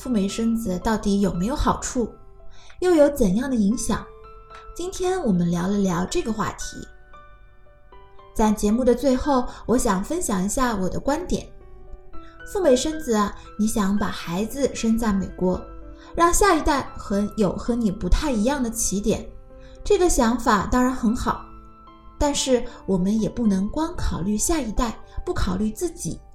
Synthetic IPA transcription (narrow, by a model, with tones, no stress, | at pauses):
fu˥˩me˧˥ɪʂə˥nd͡zɹ̩˨˩t̪ɑ˥˩ʊt̪i˧˥jo˨˩ʊme˧˥ɪjo˧˥ʊxɑ˨˩ʊʈ͡ʂʰu˥˩ | jo˥˩ʊjo˧˥ʊt͡sə˨˩njɑ˥˩ŋd̪ə˩i˧˥ŋɕjɑ̰˨˩˦ŋt͡ɕi˥nt̪ʰjɛ˥nwɔ˨˩mə˦nljɑ˧˥ʊlə˧ljɑ˧˥ʊʈ͡ʂɤ˥˩ɡə˩xwa̰˥˩t̪ʰḭ˧˥ | t͡sa˥˩ɪt͡ɕjɛ˧˥mu˥˩d̪ə˩t͡swe˥˧ɪxo˥˩ʊwɔ˧˥ɕjɑ˨˩ŋfə˥nɕjɑ˨˩ŋi˧˥ɕja˥˩wɔ˨˩d̪ə̰˦kwa˥nt̪jɛ̰˨˩˦n | fu˥˩me˧˥ɪʂə˥nd͡zɹ̩˨˩ɐ˩ni˧˥ɕjɑ˧˥ŋpa˨˩xa˧˥ɪd͡zɹ̩˧ʂə˥nt͡sa˥˩ɪme˨˩ɪkwɔ˧˥ | ɻɑ˥˧ŋɕja˥˧i˧˥t̪a˥˩ɪxɤ˧˥jo˨˩ʊxɤ˧˥ni˨˩pu˧˥t̪ʰa˥˩ɪi˧˥jɑ˥˩ŋd̪ə˩t͡ɕʰi˧˥t̪jɛ̰˨˩˦n | ʈ͡ʂɤ˥˩ɡə˩ɕjɑ˧˥ŋfa˨˩t̪ɑ˥ŋɻa˧˥nxə˧˥nxɑ˨˩˦ʊ | t̪a˥˧nʂɻ̩˥˩wɔ˨˩mə˦njɛ˨˩pu˥˩nɤ˧˥ŋkwɑ˥ŋkʰɑ˨˩ʊly˥˧ɕja˥˩i˧˥t̪a˥˧ɪpu˥˩kʰɑ˨˩ʊly˥˧t͡sɹ̩˥˩t͡ɕḭ˨˩˦